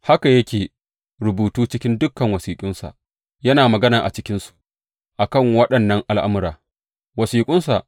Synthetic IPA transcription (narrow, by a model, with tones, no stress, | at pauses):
ha˦ka˨jɐ˦kʲeː˨ | ɾʊ˨buː˨tuː˦t͡ʃɪ˦kʲɪ˦ndʊ˦kːɐ˨ŋwɐ˨siː˨kʷʼʊ˦nsa̰˨ʔ | jɐ˦naː˨mɐ˨ɡɐ˦naː˨ʔa̰˨t͡ʃɪ˦kʲɪ˦nsu̥˨ʔ | ʔa˨kɐ˦˨ŋwɐ˦ɗɐ˨nːɐ˦ŋʔa˨lʔa̰˦mʊ˦ɾaː˨ | wɐ˨siː˨kʷʼʊ˦nsa̰˨ʔ